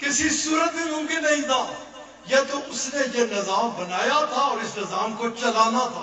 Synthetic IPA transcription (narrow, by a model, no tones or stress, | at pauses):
kɪsisuːɾət̪meːmʊ̃ːkɪnːəɦĩːt̪ʰaː | jeːt̪oʊsneːjeːnɪzaːmbənaːjaːt̪ʰaːɔːɾɪsnɪzaːmkot͡ʃəlaːnaːt̪ʰaː